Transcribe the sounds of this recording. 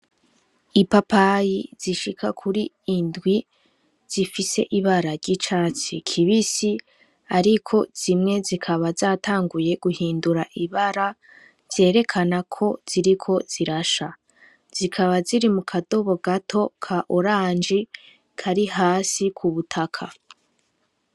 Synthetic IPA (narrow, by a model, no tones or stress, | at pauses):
ipapajiz̥iʃikʰa̰kʰuɾiː | ndɡwi | z̥ifise̞ʔiβaɾaɾɟit͡ʃaːt͡sikʰiβisi | aɾikʰo̞z̥imŋe̞zikʰaβazaːtʰaːŋɡuje̞ɡuhiːnduɾaʔiβaɾa | z̥e̞ːɾe̞kʰanakʰo̞z̥iɾikʰo̞z̥iɾaʃa | z̥ikʰaβaziɾimukʰado̞βo̞ɡatʰo̞kʰaʔoɾaːnd͡ʒi | kʰaɾiɦaːsikʰuβutʰakʰa